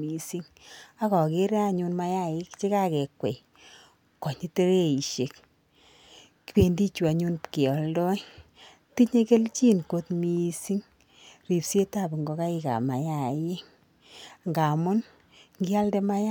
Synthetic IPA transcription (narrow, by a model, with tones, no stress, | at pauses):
mi˨si˦ŋ | a˦kɔ˨ke˦ɾe˦a˧ɲu˧nma˦ja˦ɪ˦kt͡ʃe˦ka˦kɛ˨kwḛ˨ | kɔ˨ɲi˦te˦ɾe˦i˨ʃe˨k | ki˨be˨ndi˦t͡ʃu˨a˨ɲu˦nkɔ˨ldɔ˦j | ti˦ɲe˦ke˦lt͡ʃi˦nko˧tmi˦si˦ŋ | ri˨pse˦ta˦˨bŋɡɔ˨ka˦i˦ka̰˨ma˨ja˦˨je˦ŋ | ŋɡa˨mʊ˦n | ŋɡi˦a˦lde˦ma˦ja˦